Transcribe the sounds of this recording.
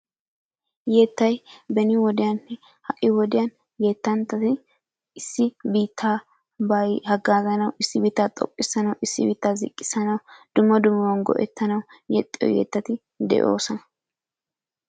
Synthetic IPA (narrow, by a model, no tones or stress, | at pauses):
jeːt̪ːɐjbɛnɪwɔd̪ɪjɐnːɛ | hɐʔɪwɔd̪ɪjɐn | jeːt̪ːɐnt̪ːɐt̪ɪ | ɪsːɪbiːt̪ʰːa | bɐjhɐɡːaːzɐnɐwɪsːɪbiːt̪ːaːt̪ʼɔ̰pʼːɪsɐnɐwɪsːɪbiːt̪ːaːzɪ̰kʼːɪ̥sɐnɐwd̪̥ʊmːɐd̪ʊmːɐwɐnɡɔ̰ʔɛ̰t̪ːɐnɐwjɛt̪ʼːɪ̰wjḛːt̪ːɐt̪ɪ | d̪ɛ̰ʔo̞ːsɔnɐ